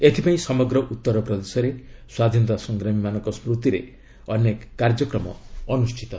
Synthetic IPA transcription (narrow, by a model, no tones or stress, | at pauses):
et̪ʰipaĩsɔmɔɡɾɔʔut̪ːɔɾɔpɾɔd̪esɔɾeswad̪ʱinɔt̪asɔŋɡɾamimanɔŋkɔspɾut̪iɾḛ | ɔnekːaɾd͡ʒɔkɾɔmɔ̰ɔnusʈʰit̪ɔ